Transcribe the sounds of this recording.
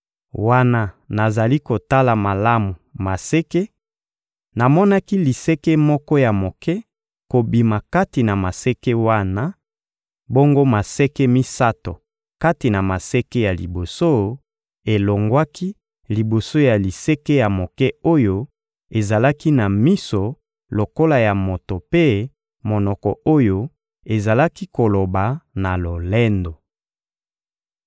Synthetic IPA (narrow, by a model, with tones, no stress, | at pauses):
wa˦na˦na˨za˨li˦ko˨ta˦la˨ma˨la˦mu˨ma˨sɛ˦ke˦ | na˨mɔ˦na˦ki˦li˨sɛ˦ke˦mɔ˦kɔ˦ja˨mo˨kɛ˦ | ko˨bi˨ma˨ka˦ti˨na˨ma˨sɛ˦kɛ˦wa˦na˦ | bo˦ŋɡo˦ma˨sɛ˦ke˦mi˦sa˦to˨ | ka˦ti˨na˨ma˨sɛ˦ke˦ja˨lḭ˨bo˨so˦ | e˨lo˨ŋɡwa˦ki˦ | li˨bo˨so˦ja˨li˨sɛ˦ke˦ja˨mo˨kɛ˦o˦jo˦ | e˨za˨la˦ki˦na˨mi˦so˨ | lo˨ko˦la˨ja˨mo˨to˨pe˦ | mo˨nɔ˨kɔ˨o˦jo˦ | e˨za˨la˦ki˦ko˨lo˨ba˨na˨lo˨lɛ˦ndo˨